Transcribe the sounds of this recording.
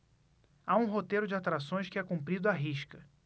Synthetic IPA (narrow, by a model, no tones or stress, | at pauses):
aũɦot̪ejɾʊd͡ʒɪat̪ɾasõj̃skɪɛkũmpɾid̪ʊaɦiʃkɐ